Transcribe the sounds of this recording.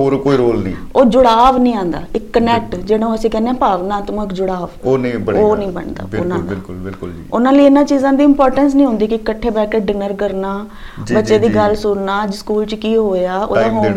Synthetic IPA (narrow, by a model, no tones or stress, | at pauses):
ɦoːɾkoːiɾoːlnḭ̃ː | oːd͡ʒʊɽaːʋnĩːãːnd̪a̰ːɪkːənɛʈd͡ʒeːɽõːəsĩːkɛːneãːpaːʋnãːt̪ʊmːɪkd͡ʒʊɽaːʋoːnĩːbəoːnĩːbə̰ɳd̪a̰ːbʊnãːd̪ɪlkʊlɪlʊld͡ʒiʊnãːliːɪnːãːt͡ʃiːzãːd̪iːɪmpɔːɾʈəns̬nəĩɦʊ̃ːnd̪iːkɪkəʈʰːeːbɛːkeɖɪnəɾkəɾnaː | d͡ʒbətːʃeːd̪iːɡəlsʊɽnaːd͡ʒskuːlt͡ʃkiːɦoːaːo̰ːd̪ãːɦoː